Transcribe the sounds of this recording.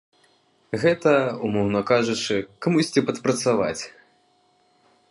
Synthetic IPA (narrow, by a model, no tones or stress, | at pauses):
ɣɛt̪ɐumɔɣnɐkaʐut͡ʂɨkamusʲt͡sʲɛpɐt̪pɾɐt̪sava̰t͡sʲ